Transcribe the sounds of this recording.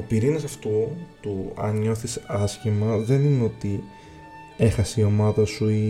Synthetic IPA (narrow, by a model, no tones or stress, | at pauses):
opiɾinɐsɐft̪ut̪uɐ̰nɲo̞θisɐsçimɐðe̞nineo̞t̪i | e̞xɐsio̞mɐðɐsui